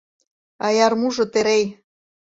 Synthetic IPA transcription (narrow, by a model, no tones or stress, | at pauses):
ɑjɑrmuʒŏt̪eɾej